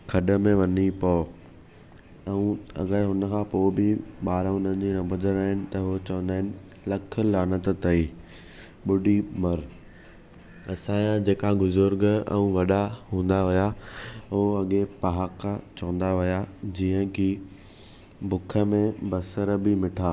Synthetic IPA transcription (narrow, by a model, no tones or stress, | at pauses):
kʰɐɗə̆mẽʋɐnipɔː | ɛ̃ũɐ̰ɡəɾɦʊnə̆kʰãpoːbɪɓaːɾəɦʊnə̃nd͡ʑinɐ̃bʊd̪əɾaːɦɪnɪ̆t̪ɐɦot͡ɕɐʋə̃nd̪aːɦɪnɪ̆ | lɐkʰə̆laːnət̪t̪ɐiː | ɓʊɖimɐɾ | ɐsãjãd͡ʑeːkaɡʊzʊɾɡɛ̰̃ũʋɐɗaɦũːnd̪aʋʊjaʊoɐɠepɐɦakat͡ɕɐʋə̃nd̪aʋʊjad͡ʑiːə̃ki | bʊkʰə̆mẽbɐsəɾbɪmɪʈʰaː